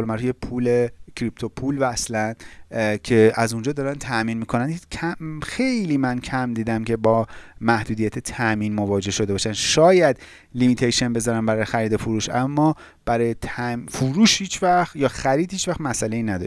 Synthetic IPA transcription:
olmæɾjepʰulecʰɾipt̪ʰopʰulvæːslæncʰe̞ʔæzund͡ʒɒːd̪ɒːɾænt̪ʰæʔmiːnmiːkʰo̞næncʰæmxe̞jliːmæncʰæmd̪iːd̪æmcʰe̞bɒːmæhd̪uːd̪ijæt̪ʰet̪ʰæʔmiːnmo̞vɒːd͡ʒe̞hʃo̞d̪e̞bɒːʃænʃɒːjæd̪ | limit̪ʰejʃenbe̞zɒːɾænbæɾɒːjexæɾiːd̪ofuɾuːʃʔæmːɒː | b̥æɾɒjet̪ʰæfuɾuːʃhiːt͡ʃʰvæxjɒːxæɾiːd̪hiːt͡ʃvæxt̪mæsælejiːnæd̪ɒ̰

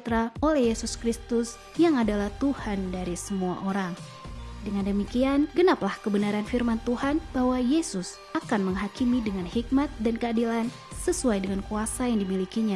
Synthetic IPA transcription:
t̪ɾaolɛhjesuskɾist̪ʊs | jaŋadalaht̪uhandaɾisəmua̰ʔoɾaŋ | dəŋandəmikianɡənaplahkəbənaɾanfirmant̪uhanb̥ahwajesʊs | akanməŋɦakimidəŋanhik̚mat̪̚dankəadilan | səsuajdəŋankuasajaŋdimilikiɲa

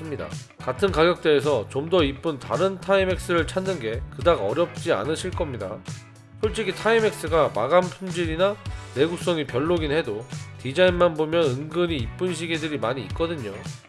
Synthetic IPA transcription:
ɯmɲida̰ | katʰɯnkaɡjʌk̚t͈e̞ːs̬ʰʌt͡ɕomdʌip͈ɯntaɾɯntʰaime̞k̚s͈ɯɾɯɭt͡ɕʰanːɯnɡe̞kɯdaɡʌɾjʌp̚t͡ɕ͈ia̰nɯɕʰiɭk͈ʌmɲida | sʰoɭt͡ɕ͈iɡitʰaime̞k̚s͈ɯɡamaɡanpʰund͡ʑiɾinane̞ɡuk̚s͈ʌŋipjʌɭːoɡinhe̞dotid͡ʑainmanbomjʌnɯŋɡɯɲiːp͈ɯnɕʰiɡedɯɾimaɲiːt̚k͈ʌdɯɲo

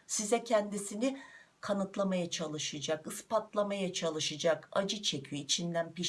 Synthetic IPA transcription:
sizɛcʰɛnd̪isinikʰanɯt̪lˠamajat͡ʃʰalˠɯʃɯd͡ʒakɯspat̪lˠamajat͡ʃʰalˠɯʃɯd͡ʒaka̰d͡ʒɯt͡ʃʰe̞cʰyjøit͡ʃʰind̪ænpiʃ

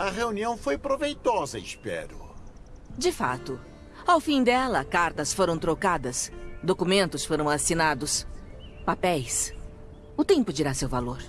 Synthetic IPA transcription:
ɐʁeuniɐ̃w̃fojpɾovejt̪ɔzɐɪspɛ̰ɾʊ̰ | d͡ʒɪfa̰t̪ʊ | awfĩd̪ɛlɐkaɾt̪ɐsfoɾɐ̃w̃t̪ɾokad̪ɐsd̪okumẽnt̪ʊsfoɾɐ̃w̃asinad̪ʊs | papɛjs | ʊt̪ẽmpʊd͡ʒiɾasewvaloɾ

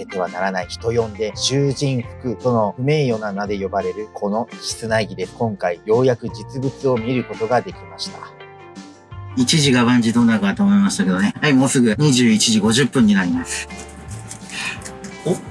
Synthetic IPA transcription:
et̪e̞βanaɾanaiçi̥t̪o̞jõ̞nd̪e̞ɕɨːʑĩɰɸɯ̥kɯ̟t̪o̞no̞ɸɯ̟me̞ːjo̞nanad̪e̞jo̞baɾe̞ɾɯ̟kʰo̞no̞çi̥t͡sɨnaiɡʲid̪e̞kõ̞ŋkaijo̞ːjakɯ̟d͡ʑit͡sɨbɯ̟t͡sɨo̞mʲiɾɯ̟ko̞t̪o̞ɡad̪e̞kʲimaɕi̥t̪ḁ | it͡ɕiʑiɡaβãɲ̟d͡ʑid̪o̞ːnakat̪oːmo̞imaɕi̥t̪ake̞d̪o̞ne̞haimo̞ːsɨɡɯ̟ɲ̟iʑɨːit͡ɕiʑiɡo̞ʑɨpːɯ̃ɲ̟ːinaɾʲimasɨ̥

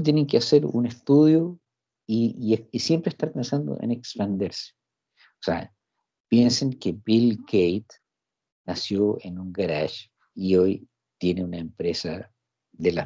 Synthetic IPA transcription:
t̪jeneŋkeaseɾṵnest̪uðjo | iisjempɾeːhst̪aɾpẽnsand̪o̰ʔḛnekspand̪eɾse̥ | osḛa̰ | pjenseŋkebilɡejt̪ | nasjoenuŋɡaɾaʃ | ioj | t̪je̞neunaempɾesa̰ | ðela

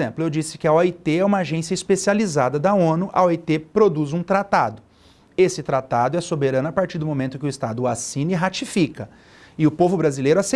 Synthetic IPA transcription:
ẽmplʊewd͡ʒisɪ̥kɪɐɔit̪eɛũmɐaʒẽsiɐispesializad̪ɐd̪ɐõnʊʔɐ̰ɔit̪epɾod̪uzũt̪ɾat̪ad̪ʊ | esɪt̪ɾat̪ad̪ʊɛsobeɾɐ̃nʊapaɾt͡ʃiɾd̪ʊmõmẽnt̪ʊkɪʊist̪ad̪ʊasĩnɐiɦat͡ʃifikɐ | ɪʊpovʊbɾazilejɾʊase

